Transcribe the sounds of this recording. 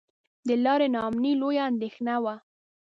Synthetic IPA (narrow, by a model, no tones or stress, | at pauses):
d̪əlɑɾenɑːmnilojaːnd̪exnawa